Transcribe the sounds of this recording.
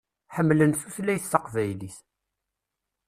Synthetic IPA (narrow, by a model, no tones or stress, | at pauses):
ħəmːlənθuθlæjθːɑqvæjliθ